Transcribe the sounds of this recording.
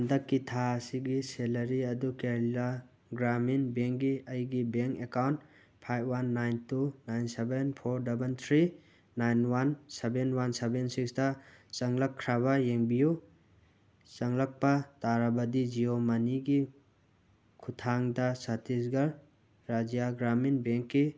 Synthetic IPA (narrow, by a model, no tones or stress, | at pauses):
ndɐkːitʰaɐsiɡiselɐɾiɐdukeɾila | ɡɾaminbeŋɡiɐjɡibeŋkekawnt | pʰajb̚ʰwanːajntunajnsebenpʰoɾdabent̪ʰɾi | najnwansebenwansebensikstɐt͡ʃɐŋlɐkʰːɾaβɐjeŋbiju | t͡ʃɐŋlɐk̚pɐtaɾɐbɐdid͡ʒiomaniɡi | kʰutʰaŋdɐsatizɡɐɾ | ɾad͡ʒijaɡɾaminbeŋkːi